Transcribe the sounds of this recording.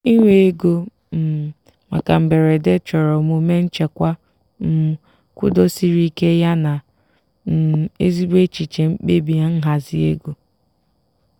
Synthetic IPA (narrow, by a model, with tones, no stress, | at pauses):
i˦ŋʷe˨e˦ɡo˦ | m̩˨ | ma̰˨ka˨m̩˨be˨ɾe˨de˦t͡ʃɔ˨ɾɔ˨mu˨me˦n̩˦t͡ʃe˨kʷa˦ | m̩˦ | kʷʊ̰˦do˦si˦ɾi˦ke˦ja˦na˨ | ḛ˦zi˦be˦t͡ʃi˨t͡ʃe˨m̩˦k͡pe˦bi˨a˦n̩˦ɦa˨zi˦ḛ˦ɡo˨